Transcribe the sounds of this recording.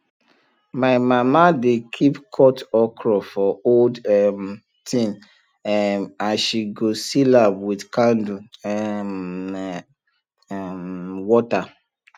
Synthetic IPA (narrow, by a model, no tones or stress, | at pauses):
maɪmamadekʰipkʰɔtɔkʰɹɔfɔoldm | tʰĩm | ãnʃiɡosilapwidkãndu | wɔta